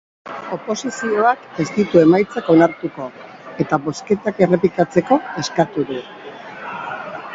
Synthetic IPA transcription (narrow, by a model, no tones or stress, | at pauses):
o̞po̞sisio̞ake̞st̪it̪ue̞majt͡sako̞naɾt̪uko̞ | e̞t̪aβo̞ske̞t̪ake̞re̞pikat͡se̞ko̞e̞skat̪uðu